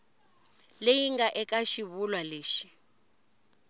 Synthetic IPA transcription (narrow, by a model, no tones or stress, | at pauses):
lejiŋɡaʔɛkʼaʃiβulwaleːʃi̥